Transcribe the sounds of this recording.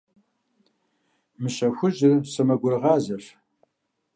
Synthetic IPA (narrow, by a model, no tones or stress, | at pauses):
mɨɕɐxʷʊʒɪrsɐmɐɡʷʊrɨʁɑːzɐf